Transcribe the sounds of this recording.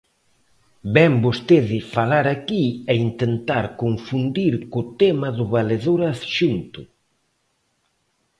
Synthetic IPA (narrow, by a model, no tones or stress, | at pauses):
bɛmbost̪eðɪfalaɾakiɛint̪ent̪aɾkoɱfund̪iɾkʊt̪ɛmɐðʊβaleðoɾasʃunt̪ʊ